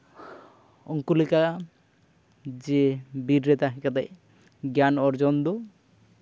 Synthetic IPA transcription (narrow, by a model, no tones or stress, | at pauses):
ɔŋkulika | d͡ʒebiɾɾet̪aɦikad̪aj | ɡjanɔɾd͡ʒɔnd̪ɔ